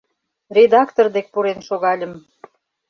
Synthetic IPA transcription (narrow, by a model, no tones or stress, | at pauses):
rʲed̪ɑkt̪ord̪ek̚puɾenʃoɣɑlʲə̆m